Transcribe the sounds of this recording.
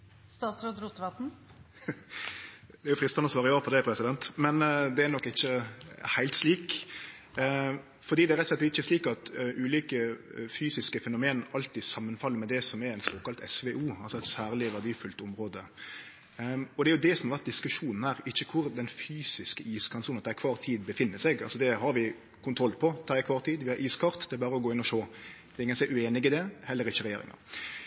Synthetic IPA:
st̪ɑːt̪sɾod̪ɾuːt̪ʋɑt̪n̩ | d̪ɛæɾjʊfɾɪst̪ənɔsʋɑːʁəjoːəpʰɔd̪ɛpʰɾɛsɪd̪ɛnt̪mɛnd̪ɛænɔkːɪçːəhæɪlt̪sliːk | fɔʁd̪iːd̪ɛæɾɛt̪sɛt̪ːɛɪçːəsliːkɑt̪ʔʉːliːkəfyːsɪskəfɛnʊmeːnɑlt̪iːsɑmːənfɑlːəɾmɛd̪ɛsɔmɛɾɛnsoːkɑlt̪ɛ̰sʋɛʔuːɑlsɔɛɪt̪sæːɾlɪʋæʁd̪iːfʉlt̪ʊmɾoːd̪ə | ɔd̪ɛæɾjʊd̪ɛsɔmhɑɾʋæɾt̪̚d̪ɪskʉʂuːnn̩hæɾɪçːəkʰʊɾd̪ɛnfyːsɪskəiːskʰɑnsuːnɑt̪ɛæɾɪkʰʋɑːɾt̪ʰiːd̪bəfɪnːəsɛɡɑ̰lsɔd̪ɛɦɑɾʋɪ | kʰʊnt̪ʰɾɔlːpʰɔt̪ʰɑːɪkʰʋɑːɾt̪ʰiːd̪ʋɪhɑɾʔiːskʰɑɾt̪d̪ɛbɑːɾəɔɡoːɪnːɔʃoːd̪̥ɛːɾɪŋːənsɛʉeːnɪɡɪd̪ɛhɛlːəɾɪçːəɾɛjḛːɾɪ̰ŋɑ̰ɾ

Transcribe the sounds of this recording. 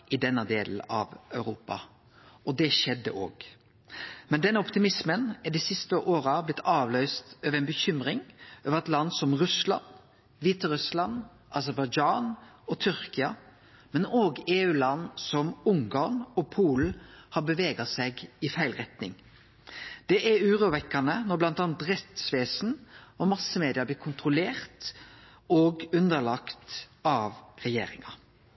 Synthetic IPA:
ɪd̪ɛnːəd̪eːl̩ɑ̰ʋœʉɾuːpɑ̰ | ɔd̪ɛʃɛd̪ːə̰ʔo̰ːɡ̥ | mɛnd̪ɛnːəɔpt̪ɪmɪsmənæɖiːsɪst̪əʔoːɾɑblɪt̪ʰːɑːʋlœʏst̪øːʋəɾɛnbəçʏmɾɪŋøːʋəʁɛt̪lɑnːsɔmʁʉslɑ̰n | ʋiːt̪ɑɾʉslɑn | ʔɑsəɾbɑɪd͡ʒɑːnɔt̪ʰʏɾkɪɑ | mɛnoːɡeːʉːlɑnːsɔmʊŋɡɑːʁnɔpʰuːlhɑbəʋeːɡɑsɛɡɪfæɪlʁɛt̪nɪ̰ŋ | d̪̥ɛʔɛɾʉːɾʊʋɛkːɑnənɔɾblɑnt̪ɑːnt̪ɾɛt̪sʋeːsn̩ɔmɑsːəmeːd̪ɪəɾbliːkʰʊnt̪ɾʊleːɾt̪ | oɡʉnd̪əɭɑkt̪ɑʋʁɛjḛːɾɪ̰ŋɑ

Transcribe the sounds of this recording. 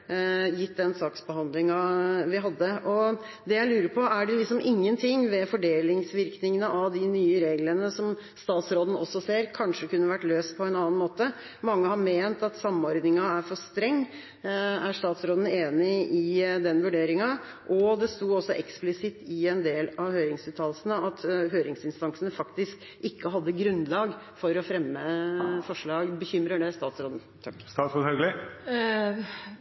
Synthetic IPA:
jɪt̪ːd̪ɛnsɑːksbəɦɑnd̪lɪŋɑʋɪɦɑd̪ːəʔɔ | d̪ɛjæɪlʉːɾəɾpʰɔæɖɛlɪksɔmɪŋːənt̪ʰɪŋːʋɛfɔɖeːlɪŋsʋɪɾknɪŋənəʔɑʋd̪ɪnyːəɾeːɡlənəsɔm | st̪ɑːt̪sɾoːd̪n̩ɔsːɔseːɾkʰɑnʂəkʉnːəʋæʈːløːspʰɔɛnɑːnmoːt̪əmɑŋːəhɑɾmeːnt̪ɑt̪sɑmːɔɾd̪nɪŋɑæɾfɔʂt̪ɾɛŋː | æʂt̪ɑːt̪sɾoːd̪n̩eːnɪɪd̪ɛnʋʉɖeːɾɪŋɑ | ʔɔd̪ɛst̪uːɔsːɔʔɛksplɪsɪt̪ːɪɛnd̪eːlɑʋhøːɾɪŋsʉːt̪ʰɑːlsənəɑt̪ɦøːɾɪŋsɪnst̪ɑnsənəfɑkt̪ɪsk | ɪkːəɦɑd̪ːəɡɾʉnːlɑːɡ | fɔɾɔfɾɛmːəfɔʂɭɑːɡbəçʏmɾəɖɛst̪ɑːt̪sɾoːd̪n̩ | st̪ɑfɔhœɡlɪ

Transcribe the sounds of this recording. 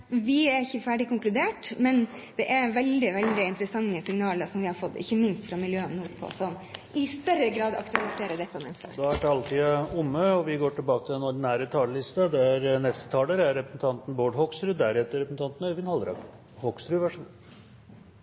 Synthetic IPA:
ʋɪæɾɪçːəfæːɖɪkʊŋklʉd̪eːʈmɛn | d̪̥ɛʔæɾʋɛld̪ɪʋɛld̪ɪɪnt̪əɾəsɑŋːəsɪŋnɑːləɾsɔmʋɪhɑɾfɔt̪ːɪ̰çːəmɪnst̪fɾɑmɪljøːɔmnuːɾpʰɔ̰sɔmʔɪst̪œɾəɡɾɑːd̪ɑ̰kt̪ʉɑlɪseːɾəɖɛt̪ːəmɛnst̪ə̰d̪ɔæʈʰɑːlt̪ʰiːɑʊmːəɔʋɪɡoːʈɪlbɑːkət̪ʰɪlɛnɔɖnæːɾət̪ʰɑːləlɪst̪ɑd̪ɛæɾnɛst̪ə̥t̪ʰɑːləɾæɾɾɛpɾəsn̩t̪ʰɑnt̪n̩boːɖɦɔksɾʉd̪æɾɛt̪ːəɾɛpɾsn̩t̪ɑnt̪n̩œʋɪnhɑlɾɑ̰ɡ | hɔksɾʉʋæʂuː

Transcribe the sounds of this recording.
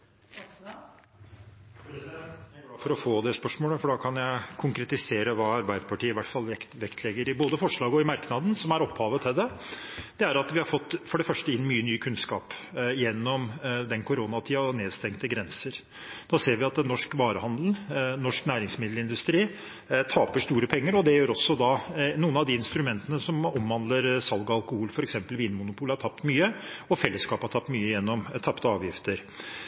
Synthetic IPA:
lɑːfɔɾɔfoːd̪ɛspœʂmoːləfɔɖɑːkʰɑnjæɪkʰʊŋkɾɛt̪ɪseːɾəʋɑːɑɾbæɪd̪əpʰɑʈiːəɪʋæʈːfɑlɛt̪ʋɛkt̪ʰlɛɡəɾɪboːd̪əfɔʂɭɑːɡɔɪmɑɾknɑd̪n̩sɔmæɾɔpʰːhɑːʋət̪ʰɪld̪ɛd̪̥ɛæɾɑt̪ʋɪhɑɾfɔt̪ːfɔɖɛfœʂʈəɪnːmyːənyːkʰʉnskɑːpjɛnːɔmd̪ɛnkʰʊɾoːnɑt̪ʰiːɑneːd̪st̪ɛŋkt̪əɡɾɛnsəɾ | d̪̥ɑseːɾʋɪɑt̪nɔʂkʋɑːɾəhɑnd̪lnɔʂknæːɾɪŋsmɪd̪l̩ɪnd̪ʉst̪ɾiː | t̪ʰɑːpəʂt̪uːɾəpʰɛŋːəɾɔd̪ɛjøːɾɔsːɔd̪ɑnuːənɑʋd̪iɪnst̪ɾʉmɛnt̪ənəsɔmɔmʋɑnd̪ləɾsɑlɡəɑlkʊhuːlfɔɾɛksɛmpəlʋiːnmʊnʊpʰuːlhɑʈʰɑp̚t̪myːəɔfɛlːəskɑːphɑʈʰɑp̚t̪myːəjɛnːɔmt̪ʰɑpːt̪əɑːʋjɪft̪əɾ

